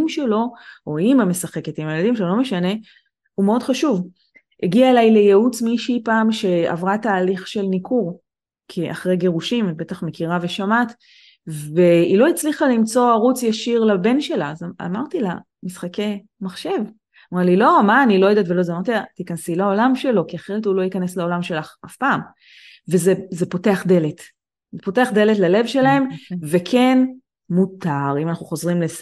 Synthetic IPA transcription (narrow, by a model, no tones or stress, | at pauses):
mʃe̞lo̞oimame̞saχe̞ket̪imajelad̪imʃeolo̞me̞ʃane̞ | umeo̞dχaʃuv | eɡiaelajle̞jeut͡smiʃipaːmʃe̞a̰vʁat̪aːliχʃe̞lnikʰuʁ | kʰeʔa̰χʁejɡe̞ʁuʃim̚be̞t̪aχmekiʁave̞ʃamat̪ | veilo̞it͡sliχalimt͡so̞aʁut͡sjaʃiʁlabe̞nʃe̞laza̰maʁt̪ila | misχake̞ | maχʃe̞v | mʁalilo̞maːnilojod̪atvelo̞zamaʁt̪it̪ikansilao̞lamʃe̞lo̞kiaχe̞ʁetulo̞jikaneslao̞lamʃe̞laχafpaːm | vezezepo̞te̞aχd̪e̞let̪ | zepo̞te̞aχd̪e̞letlale̞vʃelahe̞mvekʰen | mut̪aʁimanaχuχo̞zʁimle